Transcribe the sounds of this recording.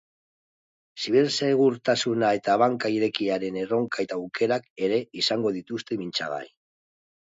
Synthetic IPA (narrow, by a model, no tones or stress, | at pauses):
siβ̞iɾse̞ɣ̞uɾt̪asunae̞t̪aβaŋkaiɾe̞kiaɾe̞ne̞ro̞ŋkae̞t̪aːwkʰe̞ɾake̞ɾe̞isaŋɡo̞ð̞it̪ust̪e̞mint͡sa̰ɣa̰j